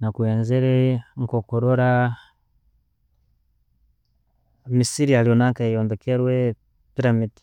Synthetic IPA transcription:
nakuɛnzɛɾɛŋkɔkɔɾɔɾa | misiɾialjɔnaŋkaijɔnbɛkɛɾwɛ | piɾamidi̥

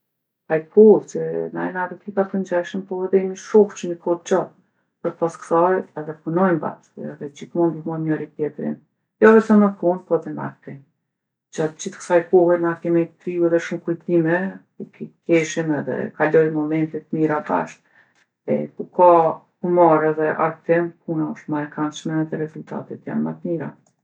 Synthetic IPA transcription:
ajkʰut͡ʃəna̰ɛnaɾɛt̪ikat̪ənd͡ʑaʃəmpɔɛðɛmiʃɔht͡ʃmikʰɔt̪̚t͡ʃɔt̪ | pəɾ̚pasksajɛðɛpunɔjmba̰ʃkṵɛðɛd͡ʑiθmund̪imɔmɔɾit̪jɛt̪ɾḭn | jɔvɛsɔnakunpɔðɛna̰kt̪ɛn | d͡ʑat̪̚d͡ʑiθkə̥sajkɔhɛnakimɛjt̪ɾiuɛðɛʃumkujt̪imɛ | ikikɛʃimɛðɛ̰kalɔjmɔmɛnt̪it̪ːmiɾaba̰ʃt̪̚ | ɛ̰kuka | humaɾɛðɛʔa̰ɾt̪ɛmp̚ʰunaɔʃt̪maɾkanʃmɛðɛɾɛzulʲt̪a̰t̪it̪ja̰nmat̪miɾa̰

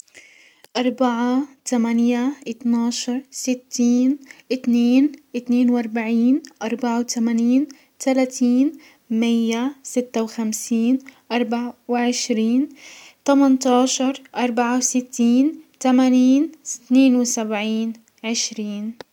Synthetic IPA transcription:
ʔɑɾˤbaʕat̪amanjaʔɪt̪nɑːʃɑɾˤsɪt̪ʰːiːnʔɪt̪neːnʔɪt̪neːnwʔɑɾˤbaʕiːnʔɑɾˤbaʕawt̪ʰamaːniːn | t̪alaːt̪ʰiːn | mɪjːasɪt̪ːawxamsiːnʔɑɾˤbaʕawɪʕɪʃɾiːnt̪amant̪ɑːʃɑɾˤʔɑɾˤbaʕawsɪt̪ːiːnt̪amaːniːnɪ̥t̪neːnwsabʕiːn | ʕɪʃɾiːn

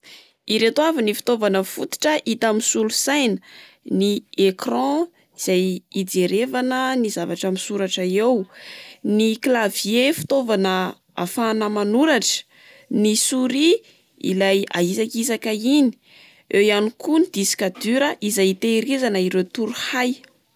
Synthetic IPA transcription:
iɾet̪oavinifi̥t̪ovanəfut̪i̥ʈ͡ʂəʔit̪amisulusajnə | niekrɑ̃ | iz̥ajid͡zeɾevanənizavaʈ͡ʂamisuɾaʈ͡ʂəewniklaviefi̥t̪ovanə | a̰fanəmanuɾaʈ͡ʂə̥ | nisuɾi | ḭlaja̰isakizakaini̥ | ʔewjanikunid̪̥iskad̪yɾəʔizajit̪eɾizanəiɾet̪uɾuhaj

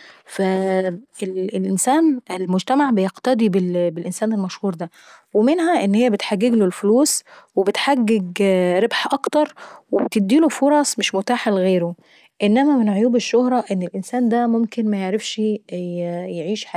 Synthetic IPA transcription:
fæellʔensæːnelmod͡ʒt̪æmaʕbejeqt̪ɑd̪ˤibelbelʔensæːnelmæʃhuːɾd̪æ | wemenɦæʔenːhejːæbet̪ħaɡːeɡlolfluːswebet̪ħaɡːeɡɾebħʔɑkt̪ɑɾˤwebt̪ed̪ːiːlofoɾˤɑsˤmeʃmot̪aːħalɣeːɾo | ʔenːæmæmenʕojuːbeʃːohɾˤɑʔenːelʔensæːnd̪æmomkenmæjeʕɾefʃ | jeʕiːʃħa

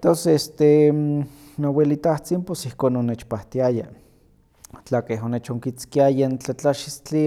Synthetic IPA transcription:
t̪onsest̪e | nowelit̪aht͡simposihkoːnonet͡ʃpaht̪iaja | t͡ɬakeɦonet͡ʃoŋkit͡skiajant͡ɬat͡ɬaʃist͡ɬi

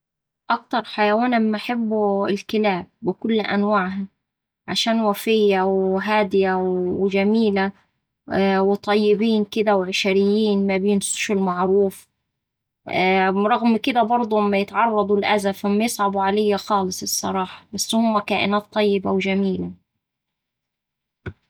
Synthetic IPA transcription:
ʔɑk̚t̪ɑɾˤħajawaːnʔamːaʔaħabːuɪlkɪlaːb̚ːɪkʊlːʔæ̰nwaʕɦa | ʕa̰ʃaːnwæfɪjːawɦaːd̪ɪjawd͡ʒæmiːla | wɪt̪ˤɑjːɪbiːnkɪd̪æwʕɪʃɾɪjːiːnmæbeːnsʊ̥ʃɪlmaʕɾuːf | ɾˤɑɣmkɪd̪æbɑɾˤd̪ˤuʔɪmːajɪt̪ʕɑrˤːɑd̪ˤʊlʔæzafʔɪmːæjɪsˤʕɑbuʕalejːaxɑːlɨsˤɨsˤːɑ̰ɾˤɑːħɑ̥basːhʊmːækæːʔɪnaːt̪ˤːɑjːɪbawd͡ʒæmiːla

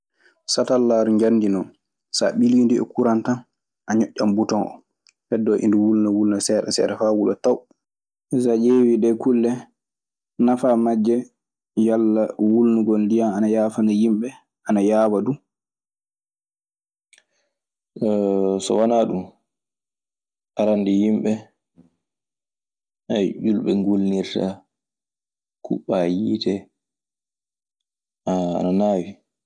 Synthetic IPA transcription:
satalːaːɾuɲd͡ʒanːdinɔn | sa̰ɓilindiɛ̰kuɾantan | ʔaɲɔʔʲːambutɔnʔɔ̰ | fɛdːɔʔḭnduwulnawulnasɛːɗɛsɛ̰ɗɛfawulɔtaw | ɛsad͡ʒewiɗɛkulːɛ | nafamad͡ʒːɛ | jalːawulnuɡɔldijaanajaːfanajimɓɛ | ʔanajaːwadu | sɔ̰wanaɗum | ʔaɾandɛjimɓɛ | ajʔulɓɛŋɡulniɾta | kʰuɓajiːtɛ | aa̰nanaːwi

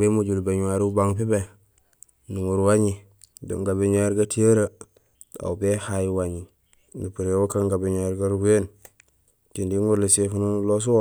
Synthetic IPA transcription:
bemud͡ʒulbeɲuwaɾiubaŋpibe | nuŋuɾwaɲi | do̰ŋɡabeɲaɾɡatijəɾa | da̰ubehajiwaɲi | nupiɾewokaŋɡabeɲaɾɡaɾɡen | t͡ʃindiŋɡuɾlisefunulos̬uwo

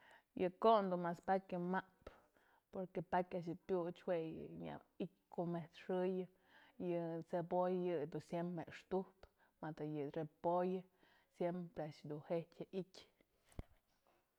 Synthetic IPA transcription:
jɨkoʔnd̪unmaspakʲɨmaʔp | poɾkepakʲaʔʃ̬ɨpʲjut͡ʃwejɨ̰ɲa̰ikʲkomet̪ʂɨjɨ | jɨt͡sepojjɨd̪usjempeʂt̪uhp | mat̪ajɨrepojɨ | sjempɾeaʔʃd̪unhetʲjaʔikʲ

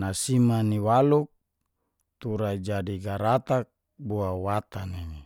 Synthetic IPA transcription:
nasimaniwaluk̚ | t̪uɾad͡ʒadiɡaɾat̪ak̚ | buawat̪aneŋi

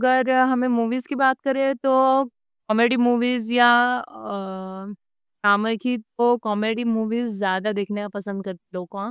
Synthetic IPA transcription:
ɐɡəɾɦɐmẽmuːʋiːzkibaːt̪kɐɾẽt̪o | kɔːmeːɖimuːʋiːzja | ʃaːmẽkit̪okɔːmeːɖimuːʋiːzːjaːd̪ad̪eːkʰnekapɐsə̃nd̪̚kɐɾt̪iloːɡã

